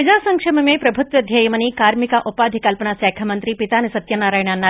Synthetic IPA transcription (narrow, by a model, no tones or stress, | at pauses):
id͡ʒaːsɐŋkʂɐmɐmepɾɐbʱut̪ʋɐd̪ʱjɐjɐmɐnikaːɾmikaʔupaːd̪ʱikɐlpɐnaːsɛːkʰɐmɐnt̪ɾipit̪aːnisɐt̪jɐnaːɾaːjɳanːa